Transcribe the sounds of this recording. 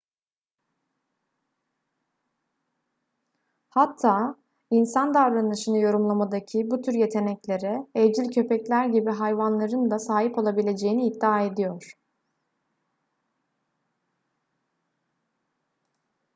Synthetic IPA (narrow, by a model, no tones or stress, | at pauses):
hat̪ʰːaː | insand̪avɾanɯʃɯnɯjo̞ɾumlˠamad̪acʰibut̪ʰyɾje̞t̪ʰe̞nɛclʲe̞ɾɛɛvd͡ʒilʲcʰø̞pɛclʲæɾɟibiɦajvanlˠaɾɯnd̪ˠasaːɦipo̞lˠabilʲe̞d͡ʒejiniːd̪ːiaːe̞d̪ijoɾ̥